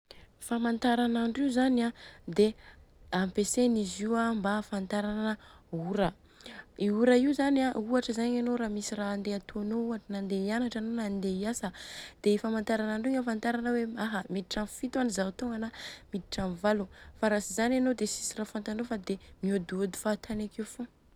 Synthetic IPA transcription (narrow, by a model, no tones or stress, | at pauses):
famant̪aɾanaɳɖ͡ʐiuzanad̪eampeseniziwambafant̪aɾanəuɾə | iuɾaiuzaniauaʈ͡ʂəzaɲanoɾamisiraːnd̪eat̪oanouaʈ͡ʂinand̪eianaʈ͡ʂanonand̪eiasəd̪̥eifamant̪aɾanaɳɖ͡ʐiŋafant̪aɾanəweaɦəmid̪iʈ͡ʂanfit̪uanizaut̪oŋɡanamid̪iʈ͡ʂanvalufaɾasizananod̪esi̥sirafant̪anofad̪emiod̪uod̪u̥fat̪ʰanakefo